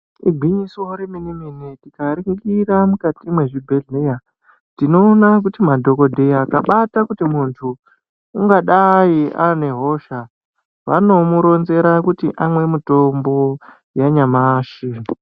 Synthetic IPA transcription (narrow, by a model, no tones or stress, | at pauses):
iɡʱiɲiswoɾiminiminitikaɾiŋkiramukatimwe̞ʐibʱeɮija | tino̞ːnak̬utimadʱo̞ko̞dʱejakaɓatakutimuntʰuː | ŋɡaɗaiane̞ɦo̞ːʃa | ʋano̞muɾo̞nze̞ɾakutiʔamwe̞mutombo̞ | jaɲamaʃi